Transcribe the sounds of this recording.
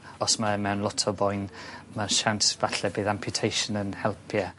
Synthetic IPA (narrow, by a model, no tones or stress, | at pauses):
ɔsmamɛwnlˠɔtʰɔbɔjnmaʃantvaɬɛbeːðampʰjʊtʰejʃənənhɛlˠpʰja